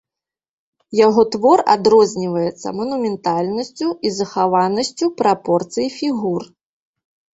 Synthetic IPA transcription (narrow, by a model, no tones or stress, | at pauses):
jaɣɔt̪vɔra̰d̪ɾɔzʲnʲivɐjɛt̪sːɐ̰mɐnumʲɛnt̪alʲnɐsʲt͡sʲuizɐxavanɐsʲt͡sʲupɾʔapɔrt̪sɨjifʲiɣur